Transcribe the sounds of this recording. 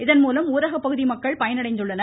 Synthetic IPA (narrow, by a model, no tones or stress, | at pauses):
ɪðɐnmuːlɐmuːɾɐɣɐpːɐɣɯðimɐkːɐɭpɐjɐnɐɽɐɪnd̪ɯɭːɐnɐ